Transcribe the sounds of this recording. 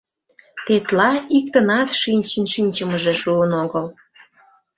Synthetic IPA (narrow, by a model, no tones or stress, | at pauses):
t̪et̪lɑik̚t̪ənɑt̪ʃinʲt͡ɕənʃinʲt͡ɕəməʒeʃuənoɣəl